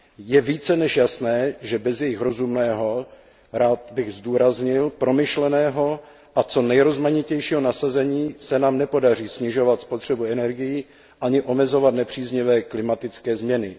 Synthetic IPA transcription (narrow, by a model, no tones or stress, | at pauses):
jɛviːt͡sɛnɛʃjasnɛːʒɛbɛzjɛjɪxɾo̞zumnɛːɦo̞ | ɾaːt̪bɪɣzduːɾazɲɪlpɾo̞mɪʃlɛnɛːɦo̞ | ʔat͡so̞nɛjɾo̞zmaɲɪcɛjʃiːɦo̞nasazɛɲiːsɛnaːmnɛpo̞dar̝iːsɲɪʒo̞vat̪spo̞t̪r̝̥ɛbuɛnɛɾɡɪjɪ | ʔaɲɪʔomɛzo̞vat̪nɛpr̝̥iːzɲɪvɛːklɪmat̪ɪt͡skɛːzmɲɛnɪ